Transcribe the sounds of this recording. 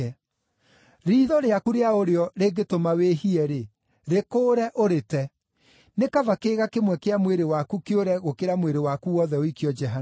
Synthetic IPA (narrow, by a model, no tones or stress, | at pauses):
ɾiːðɔɾeakuɾeaoɾeɔɾeɡetomawehiɛɾe | ɾekoːɾɛʔoɾetɛ | nekavakeːɣakemwɛkeamweɾewakukeoɾɛɣokeɾamweɾewakuwɔðɛoikiɔd͡ʒɛɦan